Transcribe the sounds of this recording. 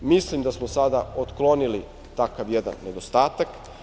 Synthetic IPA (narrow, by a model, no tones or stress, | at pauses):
mislimd̪asmosad̪aot̪klˠo̞nili | t̪akaʋjed̪a̰nːe̞d̪ost̪aːt̪ak